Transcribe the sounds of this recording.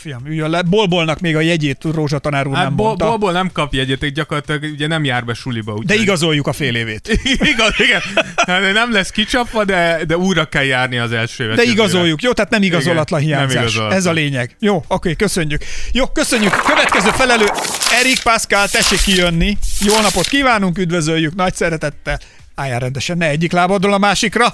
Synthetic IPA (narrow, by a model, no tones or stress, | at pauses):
fijɒmyːjølːɛbolbo̞lnɒkmeːɡɒjɛɟeːt̪roːʒɒt̪ɒnaːɾuːrɛmbotb̪lbolnɛmkɒpjɛɟeːt̪ɛk̚ɟɒkoɾrɑt̪ilɒɡuɟɛnɛmjaːrbɛʃulibɒud̪ɛiɡɒzo̞jːukɒfeːleːveːt̪iɡiɡɛnt̪at̪nɛmlɛskit͡ʃɒpʋɒd̪ɛd̪ɛuːjrɒkɛljaːrniɒzɛlʃøːvɛd̪ɛiɡɒzo̞jːukjoːt̪ɛaːt̪nɛmiɡɒzo̞lːɒt̪lɒnɦijaːɲzaːʃɛzɒleːɲɛɡjoːokeːkø̞sø̞ɲːykjoːkø̞sø̞ɲːykkøvɛt̪kɛzøːfɛlɛløːɛɾik̚paskalt̪ɛʃikːijønːijoːnɒpot̪kiːvaːnuŋkyd̪vø̞zøjːyknɒcsɛɾɛt̪ɛt̪ːɛl | aːjaːɾɛnd̪ɛʃɛnːɛɛɟːiklaːbɒd̪olɒmaːʃikrɒ